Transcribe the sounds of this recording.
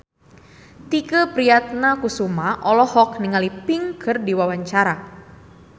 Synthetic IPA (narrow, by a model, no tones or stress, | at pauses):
t̪ikəpɾiat̪̚nakusumaʔɔlɔhɔk̚niŋalipɪŋkʰɨrdiwawaɲt͡ʃaɾa